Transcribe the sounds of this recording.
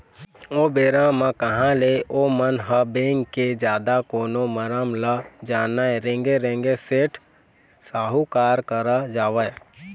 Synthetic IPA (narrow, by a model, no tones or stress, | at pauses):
oːbeːɾãmãkəɦãleoːmənɦəbeːŋkːed͡ʒjaːd̪akoːnoməɾəmlad͡ʒaːnaeɾẽːŋɡeɾẽːŋɡeseːʈʰ | saːɦukaːɾkəɾad͡ʒaːʋə